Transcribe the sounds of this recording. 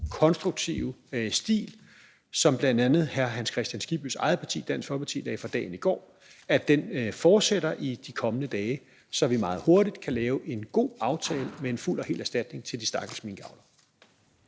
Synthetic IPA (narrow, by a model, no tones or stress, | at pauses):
kʰɒ̽nsd̥ʁuɡ̥̚t͡sʰiʊsd̥ḭːl | sɒ̽mb̥lænd̥ænð̩ˠhæɐɦænskʰʁɛsd̥jænsɡ̥ib̥ysɑ̈ɪð̞̩ˠpʰɑ̈t͡sʰḭːd̥æn̰sfɒpʰɑ̈t͡sʰḭːd̥ɛ̰ːfɑ̈d̥ɛ̰ːn̩iɡ̥ɒ̰ː | æd̥enfɒːd̥seɾ̥ɐʔid̥ikʰɒ̽mənəd̥ɛː | sɒ̽ʋimɑ̈ːð̞̩ˠho̝ɐɾid̥kʰælɛːʊʔe̝nɡ̥o̝̰ːɑ̈ʊt͡sʰɛ̰ːləmee̝nful̰ɒ̽hḛːlæɐsd̥æd̥ne̝ŋt͡sʰe̝ld̥i̥sd̥ɑ̈ɡ̥l̩sminɡ̥ɑ̈ʊlɐ